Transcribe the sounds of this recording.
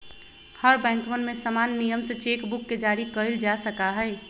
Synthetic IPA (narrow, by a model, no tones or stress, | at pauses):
həɾbɛ̃ːŋkmənmẽsəmanːijəmset͡ʃekbukːed͡ʒaːɾikəəld͡ʒasəkaɦəɪ